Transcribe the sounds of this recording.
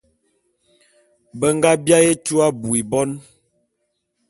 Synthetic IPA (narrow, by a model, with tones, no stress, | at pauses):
bə˦ŋɡa˦bja˦je˦t͡ʃu˦a˦bu˨i˨bɔ˦n